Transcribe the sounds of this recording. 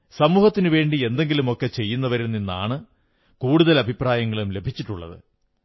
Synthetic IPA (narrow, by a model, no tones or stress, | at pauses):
sɐmuːhɐt̪ːinɨʋe̞ːɳɖie̞nd̪e̞ŋɡilumo̞kːe̞t͡ɕe̞jːunːɐʋɐɾunːinːa̰ːɳɨ | kuːɽuðɐlɐbʱipraːjɐŋːɐɭumle̞bʱit͡ɕːiʈːuɭːɐ̰ðɨ̰